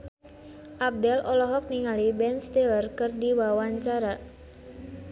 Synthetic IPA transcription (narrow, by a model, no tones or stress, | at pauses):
ʔap̚dɛlʔɔlɔɦɔk̚niŋalibɛnst̪elərkɨrdiwawaɲt͡ʃaɾa